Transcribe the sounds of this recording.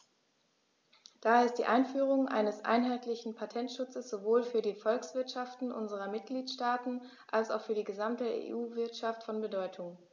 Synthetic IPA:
d̥aːaɐɪst̚d̥iːʔaɪnfyːʁ̞ʊŋʔa̰ɪnəsʔa̰ɪnɦaɪtʰlɪçn̩pʰatʰɛntʃʊt͡səsz̥ovoːlfyːɐdiːfɔlksv̥ɪɐtʃaftn̩ʔʊ̰nzəʁɐmɪt̚ɡ̥liːtʃtaːtn̩ | ʔalsaʊxfyːɐdiːɡəzamtəḛːʔuːvɪɐtʃaftfɔnbədɔʏtʰʊŋ

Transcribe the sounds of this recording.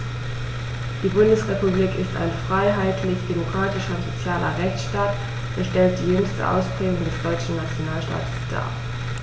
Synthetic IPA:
d̥iːbʊndəsʁepubliːkɪsta̰ɪnfʁ̥aɪɦaɪtʰlɪçd̥emokʁ̥aːtɪʃɐʊntz̥ot͡sjaːlɐ̰ʁɛçt͡sʃtaːt | ʔɛʃtɛlt̚d̥iːjʏŋstə̰ʔa̰ʊspʁ̥ɛːɡʊŋdɛsd̥ɔʏt͡ʃn̩nat͡sjonaːlʃta̰ːtə̥sd̥a̰ː

